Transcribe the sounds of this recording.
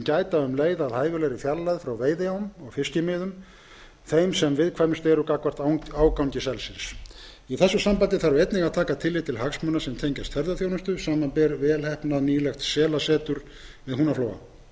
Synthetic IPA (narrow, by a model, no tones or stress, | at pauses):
caːjt̪aʏmleːjðaðhaːjvʏlejɾɪfjalːajðfɾawveːjðɪawmɔɣfɪscɪmɪːðʏm | θejmsɛmvɪðkʰvajmɪst̪ɛɾʏkakvar̥t̪awaːwkawɲcɪsɛlsɪns | iθɛsːʏsampant̪ɪθaɾvʏejt̪nɪɣaðt̪ʰaːkat̪ʰɪlːɪt̪ʰɪlɦaksmœnasɛmt̪ʰejɲcast̪fɛɾðaθjownʏst̪ʏsaːmanpɛɾvɛːlhɛhpnaniːlɛxt̪sɛːlasɛːt̪ʏɾ̥ | vɪðɦuːnafloːwa̰